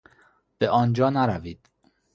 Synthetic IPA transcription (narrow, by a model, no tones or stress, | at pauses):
b̥eʔɒːnd͡ʒɒːnæɾæviːd̪̥